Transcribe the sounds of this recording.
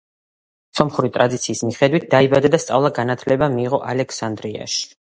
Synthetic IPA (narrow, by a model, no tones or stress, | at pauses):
sɔmχuɾit̪ʼɾad̪it̪sʰiːsmiχɛd̪wit̪̚d̪̥aibad̪ad̪ast̪sʼa̰vlˠaɡanat̪ʰlɛbamiːʁɔʔalɛkʰsand̪ɾia̰ʃi̥